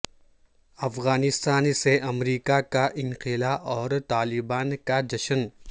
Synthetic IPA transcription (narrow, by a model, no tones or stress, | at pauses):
ɐfɣaːnɪst̪aːnseʔɐmɾiːkakaʔɪ̃ŋqɪlaʔɔːɾt̪aːlɪbaːnkad͡ʒɐʃən